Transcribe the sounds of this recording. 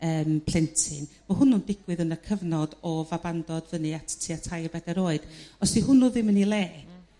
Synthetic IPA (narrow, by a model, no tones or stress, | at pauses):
əːmpʰl̥ɪntʰɨn | mɔhʊnundɪɡ̥wɨðənəkʰəvnɔd̥ɔvabandɔdvənɨatʰtʰiːatʰajrbɛdɛɾoːɨd̥ɔsihʊnʊðɪmənilˠeː